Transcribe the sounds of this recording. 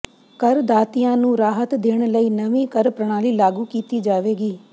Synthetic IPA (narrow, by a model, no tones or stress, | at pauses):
kɐɾd̪aːt̪ijãnũːɾaːɦət̪d̪eːɽ̃ləiːnɐʋĩkəɾpɾəɽ̃aːlilaːɡukiːt̪id͡ʒaːʋeːɡiː